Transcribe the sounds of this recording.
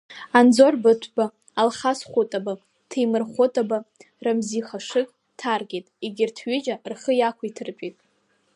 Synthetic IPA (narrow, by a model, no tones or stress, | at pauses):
and͡zorbɨtʷʰbaː | lχasχʷʊtʼaba | tʰejmɨrχʷotʼaba | ramziχaʂɨkʼ | tʰarɡʲetʼeɡʲɪrtʰɥʏd͡ʒarχəjakʷʰaitʰɨrpʼitʼ